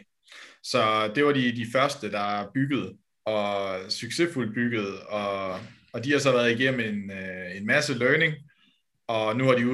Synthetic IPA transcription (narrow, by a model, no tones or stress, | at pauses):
sɒ̽d̥e̝ʋɑ̈didifɶɐsd̥əd̥ɑ̈b̥yɡ̥əð̞̩ˠ | ɒ̽syɡ̥se̝ful̚b̥yɡ̥əð̞̩ˠɒ̽ | ɒ̽d̥ihɑ̈sɒ̽ʋæːɐð̞ˠiɡ̥em̰m̩e̝ne̝nmæsəløːne̝ŋ | ɒ̽nuʋɑ̈ɾi